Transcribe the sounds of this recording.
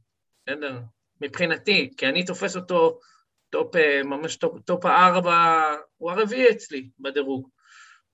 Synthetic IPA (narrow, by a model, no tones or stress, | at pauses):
sedeʁ | mipχinatikianit̪o̞feso̞t̪o̞ | t̪o̞pemamaʃt̪opt̪o̞paaʁbauaʁeviet͡slibed̪eʁuɡ